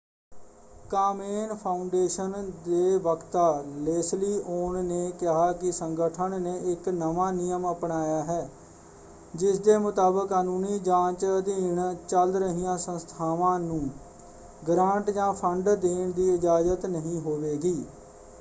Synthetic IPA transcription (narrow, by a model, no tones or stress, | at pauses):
kaːmeːnpʰaːʊɳɖeːʃənd̪eːʋəkʰt̪aːleːsliːʔoːɳneːkɪɦaːkɪsəŋɡəʈʰəɳneːʔɪknəʋaːnɪjəməpɳaːjaːɦɛː | d͡ʒɪsd̪eːmʊt̪aːbəkːaːnũːniːd͡ʒãːt͡ʃd̪iːɳt͡ʃəld̪ɾəɦijãːsə̃nst̪ʰaːʋãːnũː | ɡɾãːɳʈd͡ʒãːpʰəɳɖd̪iːɳd̪iːɪd͡ʒaːzət̪nəɦĩːɦoːʋeːɡiː